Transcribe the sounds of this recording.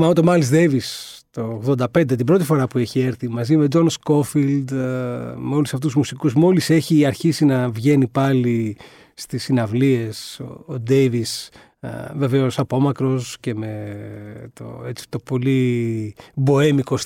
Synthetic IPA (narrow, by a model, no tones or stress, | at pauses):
mɐmot̪o̞mɐlizd̪evist̪o̞ɣðo̞nd̪ɐpe̞nd̪et̪ibɾo̞t̪ifo̞ɾɐpue̞çie̞ɾθimɐzime̞d͡zo̞nsko̞fild̪ | meo̞lusɐft̪uzmusikusmo̞lise̞çiɐɾçisinɐvʝe̞nipɐliː | t̪isinɐvlie̞so̰od̪e̞jvis | ve̞veo̞sɐpo̞mɐkɾo̞sce̞me | t̪o̰et͡si̥t̪o̞po̞li | bo̞emiko̞s